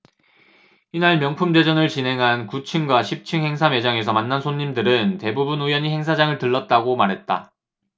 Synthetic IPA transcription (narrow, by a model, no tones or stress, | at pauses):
inaɭmjʌŋpʰumde̞d͡ʑʌnɯɭt͡ɕinɦe̞ŋɦankut͡ɕʰɯŋɡwaɕʰip̚t͡ɕʰɯŋhe̞ŋsʰame̞d͡ʑaŋe̞sʰʌmanːansʰoɲːimdɯɾɯnte̞bubunujʌɲiɦe̞ŋsʰad͡ʑaŋɯɭtɯɭːʌt̚t͈aɡomaɾɦe̞t̚t͈a̰